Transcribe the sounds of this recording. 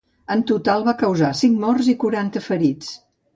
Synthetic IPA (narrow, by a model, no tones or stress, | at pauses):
ənt̪ut̪alˠβakəwzasiŋmɔrzikuɾant̪əfəɾit͡s